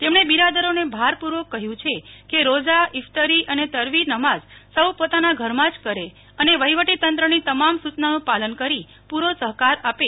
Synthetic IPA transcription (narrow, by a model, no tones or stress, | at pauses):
t̪emɳ̃ebiɾad̪əɾonebʱaɾpuɾʋokəɦjũt͡ʃʰekeɾod͡ʒaɪft̪əɾiʔənet̪əɾʋinəmazsəwpot̪anaɡʱəɾmãd͡ʒkəɾe | əneʋəiʋəʈit̪ənt̪ɾənit̪əmamsut͡ʃnanũpalənkəɾi | puɾosəɦkaɾape